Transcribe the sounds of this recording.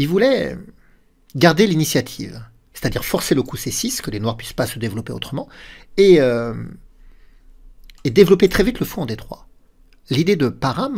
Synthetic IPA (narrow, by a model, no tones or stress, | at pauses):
ilvulɛ̰ | ɡaʁd̪elinisjat̪ʰḭv | se̥t̪ad̪iʁfɔʁseləkusesiskəlenwaʁpɥispasəd̪evlɔpeo̰t̪χəmɑ̃eø | ed̪evlɔpet̪χɛvit̪ləfɔ̃ɑ̃d̪et̪χwa̰ | lid̪ed̪əpaʁam